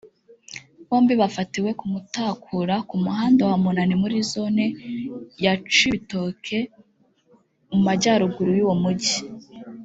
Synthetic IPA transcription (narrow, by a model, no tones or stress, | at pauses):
βo̞ːmbiβafatiwe̞kumutaːkʰuɾakumuɦaːndowamunanimuɾizo̞nejat͡ʃito̞ːkʰe̞ | mumaɟaɾuɡuɾujuːwomuɟi